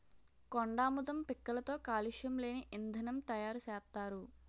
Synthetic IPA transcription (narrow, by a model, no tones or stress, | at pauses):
koɳɖaːmud̪ɐmpikːɐlɐt̪o̞ːkaːliʂjɐmle̞ːniʔind̪ʱɐnɐmt̪ɐjaːɾusɛːst̪ːaːɾu